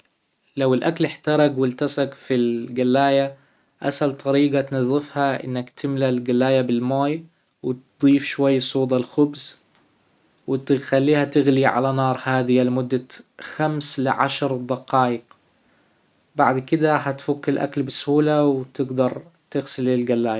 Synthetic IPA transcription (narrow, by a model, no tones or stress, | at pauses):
lawɪlʔaklɪħt̪ɑɾˤɑɡwɪlt̪asaɡfilɡalːaːja | ʔa̰salt̪ˤɑɾiːɡat̪nɑðˤːɪfhaʔɪ̰nːakt̪ɪmlalɡalːaːjabɪlmaːj | wɪt̪d̪ˤiːfʃwajːsˤuːd̪ˤɑlxʊbz | wɪt̪ɪxalːiːhat̪ɪɣliʕa̰lanɑːɾˤhaːðɪjalɪmʊd̪ːaxamslɪʕa̰ʃɾˤd̪ˤɑqɑːʔɪq | baʕd̪kɪd̪ahat̪fʊkːɪlʔa̰klbɪshuːlawt̪ɪɡd̪ɑɾˤt̪ɪɣsɪlɪlɡalːaːja